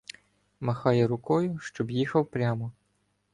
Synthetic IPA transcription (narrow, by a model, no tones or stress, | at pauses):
mɐxɑjɛɾʊkɔjʊʃt͡ʃɔbjixɐwpɾʲamɔ